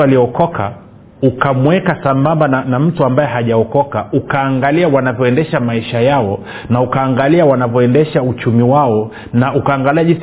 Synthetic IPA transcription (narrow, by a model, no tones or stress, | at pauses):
aliɔkɔkʰa̰ | ukamwɛkasambambananam̩tuambajɛɦaʄaɔkɔkaukaːŋɡaliawanavjɔɛndɛʃamaiʃajaɔ | naukaːŋɡaliawanavjɔɛndɛʃaut͡ʃumiwaɔ | naukaːŋɡaliaʄi